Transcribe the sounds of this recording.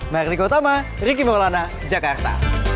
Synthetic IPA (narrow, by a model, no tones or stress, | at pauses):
mardikot̪ama | ɾik̬imelana | d͡ʒakart̪a̰